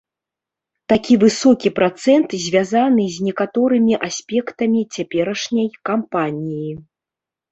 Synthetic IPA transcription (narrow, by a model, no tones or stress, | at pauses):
t̪akʲivɨsɔkʲipɾat̪sɛnt̪zʲvʲazanɨzʲnʲɛkat̪ɔɾɨmʲiʔasʲpʲɛkt̪ɐmʲit͡sʲapʲɛɾɐʂnʲɐjkampanʲiji